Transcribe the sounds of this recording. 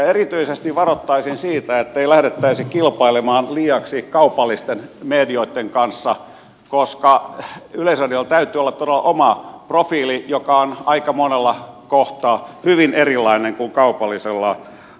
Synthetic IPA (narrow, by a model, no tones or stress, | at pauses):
erit̪yisest̪iʋʋɑrot̪ːɑisinsiːt̪æet̪ːeilæhdet̪ːæisikilpɑilemɑːnliːɑksikɑupɑlːist̪enmeːdioit̪ːeŋkɑnsːɑ | koskɑyleisɑdiɑlt̪æyt̪ˑyːolːɑt̪t̪oɾelːɑ̰ʔomɑprofiːlijokɑonɑikɑmonelːɑkoht̪ɑːhyʋinerilːɑineŋkuŋkɑupɑlːiselːɑ